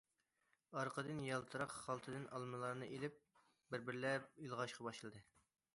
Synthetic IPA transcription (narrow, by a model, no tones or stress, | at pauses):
ɑɾqʰəd̪ɨnjɑlˠt̪ʰɨɾɑqχɑlˠt̪ʰɨd̪ɨnʔɑlˠmɨlˠɑɾnɨʔelɪp̚ | bɪɾbɪɾlɛilˠʁɑʃqʰɑbɑʃɨlˠd̪ɨ